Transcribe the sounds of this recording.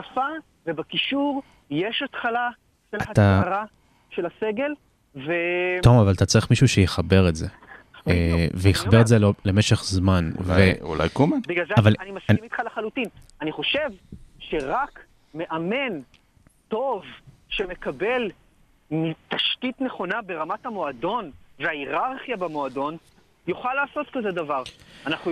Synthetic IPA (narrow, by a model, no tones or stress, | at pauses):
afa | vebakiʃuʁ | jeʃat̪χala | ʃelaataʁa | ʃe̞laseɡe̞l | vet̪omavalt̪at͡saʁiχmiʃuʃejeχabe̞ʁetze | vejiχabeetzelemeʃeχzmanveṵla̰jkumabiɡlalzeavalanimasimit̪χalaχalutin | aniχo̞ʃe̞vʃe̞ʁak | me̞ʔame̞n | to̞vʃe̞me̞kabe̞l | mit̪aʃkitneχo̞nabe̞ʁamathamo̞ado̞nveaiʁaʁχjabemoado̞n | juχalːaːso̞tkazedavaʁanaχnu